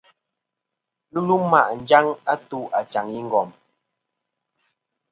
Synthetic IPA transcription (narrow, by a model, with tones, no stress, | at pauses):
nu˦lu˦ma̰˨ʔn̩˨˦d͡ʒa˦ŋa˦tu˦ʔa˨t͡ʃa˨ŋji˦ŋ̩˦ɡɔ˨m